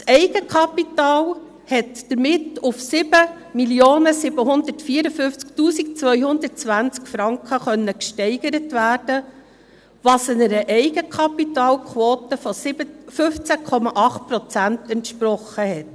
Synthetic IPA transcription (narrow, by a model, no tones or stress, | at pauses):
sɛɪɡəkχɑpitɑːl | hɛtd̥əɾmɪtʊfsɪbə | miljoːnəsɪbəɦʊnd̪ətfiːəɾəfʏft͡sktuːsik̚t͡sʋœʏhʊnd̪ət̚t͡sʋænt͡skfɾɑŋkχəχœnːəkʃtɛɪɡəɾətʋæːɾd̥ə | ʋɑːsɪnəɾəʔɛɪɡəkʰɑpitɑːlkχwoːtəfɔsɪəfʏft͡sækʰɔmɑʔɑχt̚pɾɔt͡sæntɛntʃpɾɔχːəɦɛt